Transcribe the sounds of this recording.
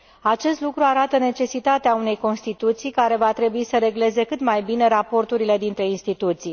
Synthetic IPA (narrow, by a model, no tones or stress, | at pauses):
at͡ʃe̞st̪lukɾuaɾat̪əne̞t͡ʃe̞sit̪at̪eaune̞jko̞nst̪it̪ut̪sijkaɾe̞vat̪ɾe̞buisəɾe̞ɡle̞ze̞kɨt̪majbine̞ɾapo̞rt̪uɾile̞d̪int̪ɾe̞inst̪it̪ut̪sij